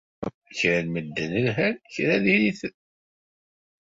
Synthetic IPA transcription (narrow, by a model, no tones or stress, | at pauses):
çɾælməd̪ːənənɦænçɾæðiliθ